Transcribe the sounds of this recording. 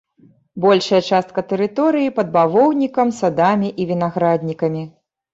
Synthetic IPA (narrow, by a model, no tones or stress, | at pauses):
bɔlʲʂɐjɐt͡ʂast̪̚kɐt̪ɛɾɨt̪ɔɾɨjipɐd̪̚bavɔwnʲikɐmsad̪amʲiʔivʲinaɣɾad̪ʲnʲikɐmʲi